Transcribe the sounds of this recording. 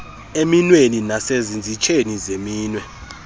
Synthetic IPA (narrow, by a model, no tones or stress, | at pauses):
eminweninasezind͡zʱit͡ʃʰʼenizemiːnwɛ